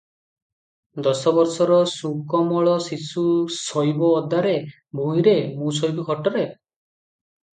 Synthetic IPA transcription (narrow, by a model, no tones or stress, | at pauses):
d̪ɔsɔbɔɾsɔɾɔsukɔmɔɭɔsisusɔjbɔːd̪aɾe | bʱuĩɾemũsɔjbɔkʰɔʈɔɾe